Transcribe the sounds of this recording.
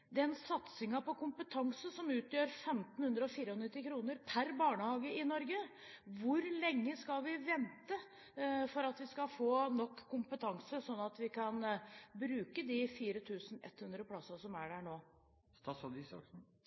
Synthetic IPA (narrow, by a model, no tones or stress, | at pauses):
d̪ɛɛnsɑt̪sɪŋɑpɔkʊmpət̪ʰɑŋsəsɔmʉːt̪jøːɾfɛmt̪n̩hʉnd̪ɾəɔfiːɾəhɔnɪt̪ːɪkʰɾuːnəɾpʰæɾbɑːɳəhɑːɡəɪnɔɾɡə | ʋʊɾlɛŋːəskɑlʋɪʋɛnt̪ə | fɔɾɑt̪ʋɪskɑfoːnɔkʰːʊmpət̪ʰɑŋsəsɔnːɑt̪ʋɪkʰɑnbɾʉːkəd̪ɪfiːɾət̪ʰʉːsənɛ̰t̪ːhʉnd̪ɾəpʰlɑsəsɔmæɖæɳoː | st̪ɑsɑd̪ɪsɑ̰k